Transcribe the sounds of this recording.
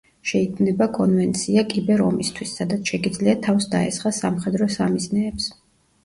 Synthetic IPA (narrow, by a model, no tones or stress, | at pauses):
ʃɛikʰmnɛbakʼɔnvɛnt̪sʰiakʼibɛɾɔ̰mist̪ʰwisːad̪at̪sʰʃɛɡid̪zliat̪ʰafsd̪a̰ɛ̰sχasamχɛd̪ɾɔsamiznɛːps